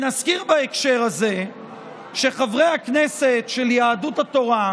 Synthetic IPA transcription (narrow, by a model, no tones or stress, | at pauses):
naskiʁbaekʃe̞ʁaze̞ | ʃe̞χavʁe̞jhakne̞se̞tʃe̞ljaːduthato̞ʁa